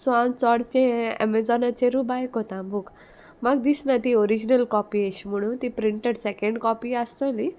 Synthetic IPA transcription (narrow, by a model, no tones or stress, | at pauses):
sãmt͡sɔɽt͡sẽɛ̰mɛd͡zɔnat͡ɕeɾubajkɦɔt̪ãbʱuk | maɡd̪isnat̪iɔɾid͡ʑnəlkɔpiəɕim̤əɽ̃ũnt̪ipɾiɳʈeɽsɛkə̃ɳɖkɔpiast̪əli